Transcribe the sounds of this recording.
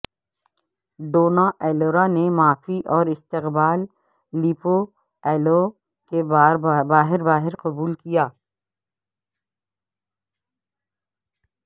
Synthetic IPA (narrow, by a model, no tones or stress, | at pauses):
ɖoːnaʔɛːloːɾanemaːfiʔɔːɾɪst̪ɪqbaːlː | ipo | ɛːlo | kebabaːɦɪɾbaːɦɪɾqɐbuːlkijaː